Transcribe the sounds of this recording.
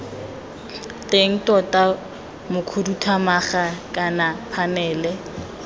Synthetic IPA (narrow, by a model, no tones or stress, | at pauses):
tʼeŋ̩tʼɔtʼa | mʊkʰudutʰamaχakʼanapʰanɛːlɛ